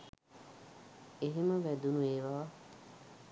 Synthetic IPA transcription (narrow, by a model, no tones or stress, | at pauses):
eɦeməʋæd̪unueːʋaʋa